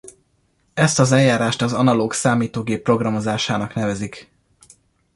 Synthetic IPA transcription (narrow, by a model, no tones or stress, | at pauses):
ɛst̪ɒzɛljːaːɾaːʃt̪ɒzɒnɒloːksaːmiːt̪oːɡeːpːro̞ɡrɒmo̞zaːʃaːnɒknɛvɛzik